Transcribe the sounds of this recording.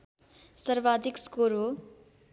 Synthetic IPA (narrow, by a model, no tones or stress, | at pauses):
sʌɾbad̪ʱikskoɾo